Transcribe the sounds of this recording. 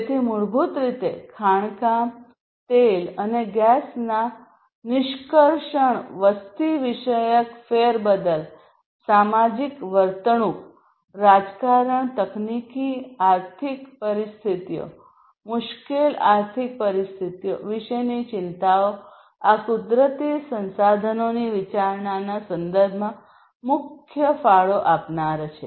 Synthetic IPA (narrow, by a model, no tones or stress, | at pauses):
et̪ʰiːmuɭbʱuːt̪ɾit̪ekʰaɳkã | t̪eləneɡasna | niɕkəɾʂəɳʋəst̪iʋiɕəjəkfeɾbəd̪əl | samad͡ʑikʋəɾt̪ɳu | ɾad͡zkaɾəɳt̪əknikiaɾt̪ʰikpəɾist̪ʰit̪ijo̰ | mʊʃkelaɾt̪ʰik̚pəɾist̪ʰit̪ijoʋiʃəjnit͡ʃɪnt̪ao | akud̪ɾət̪isə̃nsad̪ʱənoniʋit͡ʃaɾɳanasə̃nd̪əɾbʱmã | mʊkʰjəfaɭoʔapnaɾt͡ʃʰe